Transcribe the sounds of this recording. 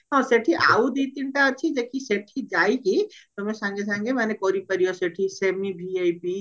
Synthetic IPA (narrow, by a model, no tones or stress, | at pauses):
ɦãseʈʰiʔa̰ːud̪it̪inʈat͡ʃʰid͡ʒekiseːʈʰid͡ʒaːikit̪ɔmẽsãːŋɡes̬ãːŋɡʱemɛnekɔːɾipəɾijoseʈʰiseːmibʱiaipi